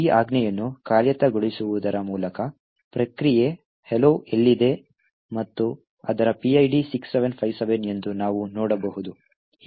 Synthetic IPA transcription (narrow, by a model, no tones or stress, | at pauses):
iːʔaːɡnɛjɐnːukaːɾjɐt̪ɐɡoɭisuʋud̪ɐɾɐmuːlɐkɐ | pɾɐkɾije̞ | heloʔelːid̪e̞ | mɐt̪ːu | ɐ̰d̪ɐɾɐpiɐjɖisiksːeʋenpʰɐjʋseʋene̞nd̪unaːʋunɔːɽɐbɐɦud̪u